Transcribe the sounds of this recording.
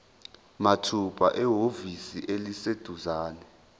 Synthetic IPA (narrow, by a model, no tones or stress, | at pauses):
matʰupʰʼa̰ʔɛɦovisiʔelised̥ʱuzaːnɛ